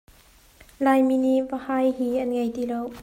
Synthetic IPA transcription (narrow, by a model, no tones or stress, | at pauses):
lajminiʔvəhajɦiːʔɐnŋejtilow